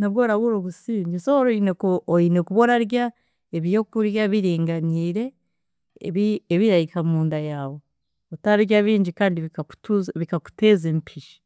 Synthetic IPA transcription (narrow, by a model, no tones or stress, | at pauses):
naβɡoɾaβuɾoβusiːɲɟesooɾoinekuoine̞kuβo̞naɾja | eβjokuɾjaβiɾiːŋɡaniːɾe̞ | βieβiɾajikʰamuːndajaːwo̞ | otaɾiɾjaβiːɲɟikaːndiβikau̥tuzβikaku̥teːzempʰiʃi̥